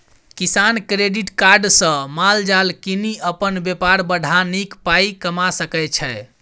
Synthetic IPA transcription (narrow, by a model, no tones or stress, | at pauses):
kisankɾeɖiʈkaɾɖsə̃mald͡ʒalkiniəpənbepaɾbəɖʱanikpaikəmasəkɛt͡ʃʰɛ